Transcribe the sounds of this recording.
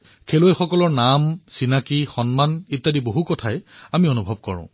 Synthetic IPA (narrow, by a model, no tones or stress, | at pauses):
kʰelojxɔkɔlɔɹnamsinakixɔnmanitːadiboɦukɔtʰajamionubʱɔb̚kɔ̰ɹʊ̰̃